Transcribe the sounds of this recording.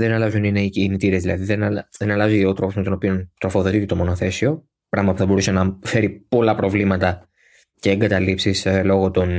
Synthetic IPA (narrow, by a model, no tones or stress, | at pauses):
ðe̞nɐlɐzunineicːnit̪iɾezðilɐðiðenɐlðe̞nɐlɐziot̪ɾo̞po̞zme̞t̪onopio̞nt̪ɾo̞fo̞ðo̞t̪it̪et̪o̞mo̞noθe̞sio̞ | pɾɐɣmɐpuθɐbo̞ɾusenɐfe̞ɾipo̞lɐpɾo̞vlimɐt̪ɐ | ce̞ːŋɡɐt̪ɐlipsislo̞ɣo̞t̪o̞n